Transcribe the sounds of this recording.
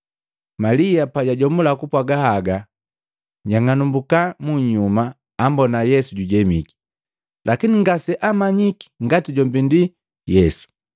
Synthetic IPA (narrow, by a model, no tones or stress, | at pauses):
malijapaɟaɟɔmulakupwaɡahaɡa | ɲaŋanumbukamuɲumaː | mbɔnajɛsuɟuɟɛmḭki̥ | lʔakiniŋɡasɛʔamaɲiki̥ŋɡatiɟɔmbindi | jɛsu̥